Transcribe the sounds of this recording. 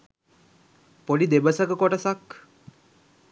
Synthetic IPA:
poɖid̪ebəsəkəkoʈəsak

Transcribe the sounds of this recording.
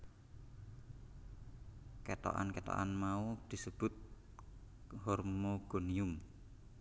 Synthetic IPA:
kɛt̪o̰ʔa̰nkɛt̪o̰ʔa̰nmaud̪̥i̤səb̥ʊ̤t̪̚ | hɔrmoɡ̥oniʊm

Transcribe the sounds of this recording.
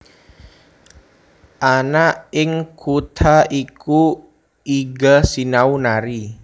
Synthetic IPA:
ʔanaɪŋkʰut̪ʰaiku | iɡasinaunaɾi

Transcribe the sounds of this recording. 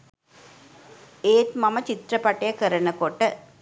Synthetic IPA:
eːt̪mɐmɐt͡ʃit̪ɾɐpɐʈːɐjɐkəɾɐnɐkoʈːə

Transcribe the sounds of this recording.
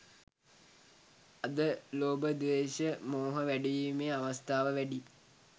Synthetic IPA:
ɐd̪əloːbəd̪ʋeːɕəmoːɦəʋæɖijimeːaʋɐst̪aːʋəʋæɖi

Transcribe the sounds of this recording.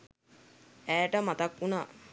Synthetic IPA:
æːʈəmat̪akunaː

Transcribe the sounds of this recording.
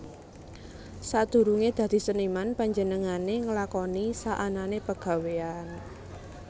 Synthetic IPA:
sad̪̥ṳɾuŋed̪̥ä̤d̪̥i̤sənimanpaɲd͡ʒənəŋaneŋəlakɔnisaʔananepəɡ̥a̤wean

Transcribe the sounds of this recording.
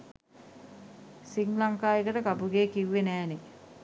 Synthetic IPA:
siŋlaŋkaːjəkəʈəkapuɡeːkiʋːenæːne

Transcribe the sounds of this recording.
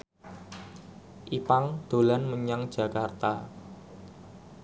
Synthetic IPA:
ʔipaŋd̪̥o̤lanməɲaŋd̥d͡ʒ̥ä̤kart̪a

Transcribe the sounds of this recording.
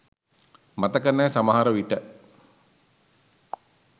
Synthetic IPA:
mat̪əkənːæːsamaɦaɾəʋiʈə

